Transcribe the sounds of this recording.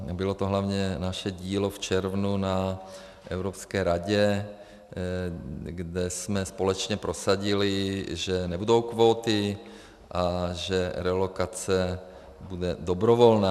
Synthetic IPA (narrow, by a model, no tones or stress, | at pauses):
bɪlot̪oɦlavɲɛnaʃɛɟiːloft͡ʃɛɾvnuna | ʔɛ̰wɾopskɛːɾaɟɛ | ɡdɛsmɛspo̞lɛt͡ʃɲɛpɾosaɟɪlɪʒɛnɛbudo̞wkvoːt̪ɪ | ʔaʒɛɾɛlokat͡sɛ | budɛdobɾovolnaː